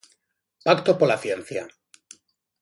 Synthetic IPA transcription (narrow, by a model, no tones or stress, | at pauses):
pakt̪opolaθjen̟θja